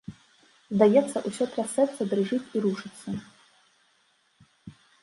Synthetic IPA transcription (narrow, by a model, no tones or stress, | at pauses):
zd̪ajɛt̪st͡s̪ːɐʔusʲotʰrɐsɛpsɐd̪rɨʐɨtʲiɾuʂɨt̪sʰɐ